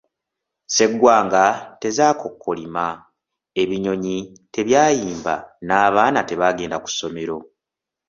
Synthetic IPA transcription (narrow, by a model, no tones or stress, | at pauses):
se̞ɡːwaːŋɡate̞zaːkʰo̞kːo̞lima | e̞βiɲo̞ɲi | te̞βjaːjiːmba̰naːβaːnate̞βaːɡe̞ːndaku̥so̞me̞ɾo̞